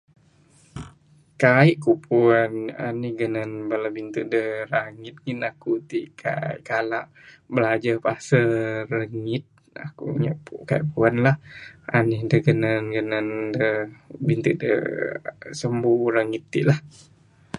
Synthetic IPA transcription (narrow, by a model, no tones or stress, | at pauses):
kaiʔkuʔpʰuana̰nihɡənanbalabint̪uʔdəhɾaŋit̪̚ɡinakut̪iʔkʰa̰iʔkalaʔbəlad͡ʒapasəɾəŋit̪̚ | a̰kṵɲa̰ʔpukaḭʔpuanlaha̰nihdəɡənanɡənandəbint̪uʔdə̰ | səmbuɾaŋit̪ːḭʔlah